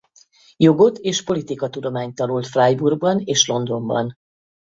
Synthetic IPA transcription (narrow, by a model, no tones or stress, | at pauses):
jo̞ɡo̞t̪eːʃpo̞lit̪ikɒt̪ud̪o̞maːɲt̪ɒnult̪frajburɡ̚bɒneːʃlo̞nd̪o̞mbɒ̰n